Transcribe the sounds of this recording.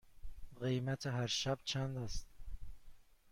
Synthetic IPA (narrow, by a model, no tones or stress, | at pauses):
ɢejmæt̪ʰeɦæɾʃæb̚t͡ʃʰænd̪æst̪